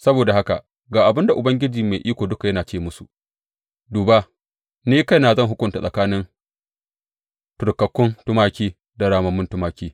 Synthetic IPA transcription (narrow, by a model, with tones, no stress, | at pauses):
sɐ˦boː˨da˨ha˦ka̰˨ | ɡaː˨ʔa˨bɪ˦nda˨ʔʊ˨bɐ˦ŋɡʲɪ˦d͡ʒiː˨meː˨ʔiː˦kʷoː˨dʊ˦ka˨jɐ˦naː˨t͡ʃeː˦mʊ˦sṵ˨ | duː˨ba˦ | niː˦ka˦jnaː˨zɐ˦˨ɦʊ˦kʷʊ˨nta˨sʼɐ˨kaː˦nɪ˦n | tʊ˨ɾkɐ˨kʷːʊ˦ntʊ˦maː˦kʲiː˦ | da˨ɽaː˨mɐ˨mːʊ˦ntʊ˦maː˦kʲiː˦